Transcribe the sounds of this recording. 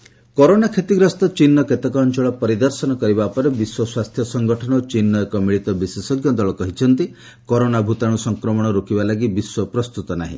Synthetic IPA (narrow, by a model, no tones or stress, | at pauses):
kɔɾonakʰet̪iɡɾɔst̪ɔt͡ʃinːɔket̪ekɔːnt͡ʃɔɭɔpɔɾid̪ɔɾsɔnɔkɔɾibapɔɾebiswɔswast̪ʰjɔsɔŋɡɔʈʰɔñɔot͡ʃinːɔekɔmiɭit̪ɔbisesɔɡjɔd̪ɔɭɔkɔɦit͡ʃʰɔnt̪i | kɔɾonabʱut̪aɽ̃usɔŋkɾɔmɔɽ̃ɔɾukibalaɡibiswɔpɾɔst̪ut̪ɔnaɦḭ̃